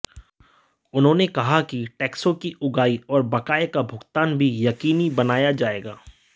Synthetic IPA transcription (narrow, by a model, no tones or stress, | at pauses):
ʊnɦõːnekɐɦakiʈɛːksõkiʊɡaːiɔːɾbɐkaːjkabʱʊɡt̪aːnbʱijɐkiːnibɐnaːjad͡ʒaːeːɡaː